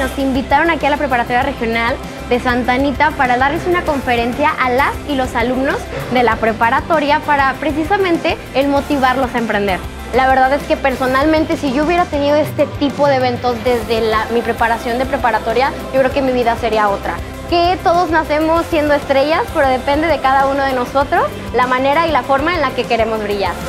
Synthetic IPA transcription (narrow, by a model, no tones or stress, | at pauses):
no̞simbit̪aɾo̞nakialapɾe̞paɾat̪o̞ɾjare̞xjo̞nal | d̪e̞sant̪anit̪apaɾaðaɾle̞sunako̞ɱfe̞ɾe̞nsjaʔalasilo̞salumno̞zðe̞lapɾe̞paɾat̪o̞ɾjapaɾapɾe̞s̬isamẽ̞nt̪e̞ːlmo̞t̪iβ̞aɾlo̞saempɾe̞nd̪e̞ɾ | laβ̞e̞ɾðaðe̞ske̞pe̞ɾso̞nalmẽnt̪e̞siʝo̞uβje̞ɾat̪e̞niðoe̞st̪e̞t̪ipo̞ðe̞eβ̞e̞nt̪o̞zðe̞zðe̞lamipɾe̞paɾasjo̞nd̪e̞pɾe̞paɾat̪o̞ɾjaʝokɾe̞okemiβ̞iðaseɾiao̞t̪ɾa | ket̪o̞ð̞o̞znase̞mo̞sːje̞nd̪o̞est̪ɾe̞ʝaspe̞ɾo̞ð̞e̞pẽ̞nd̪e̞ðe̞kaðauno̞ð̞e̞no̞so̞t̪ɾo̞s | lamãne̞ɾailafo̞ɾmaenlake̞ke̞ɾe̞mo̞zβɾiʝaɾ